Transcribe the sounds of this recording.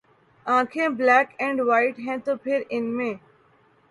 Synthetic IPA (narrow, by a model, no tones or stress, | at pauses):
ãːkʰẽːblɛːkɛ̃ːɳɖʋaːɪʈɦɛ̃ːt̪oːpʰɪɾɪnmẽː